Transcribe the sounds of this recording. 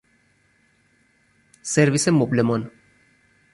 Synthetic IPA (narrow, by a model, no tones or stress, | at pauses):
seɾʋisemuplemon